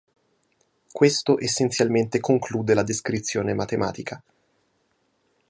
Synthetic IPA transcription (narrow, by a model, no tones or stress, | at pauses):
kwest̪oʔesːent̪sjalment̪ekoŋkluːd̪elad̪eskɾit̪sːjoːnemat̪ema̰ːt̪ikʰa